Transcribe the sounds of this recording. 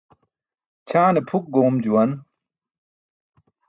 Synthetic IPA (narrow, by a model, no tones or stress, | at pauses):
t͡ɕʰaːnepʰuk̚ɡoːmd͡ʑuwɐn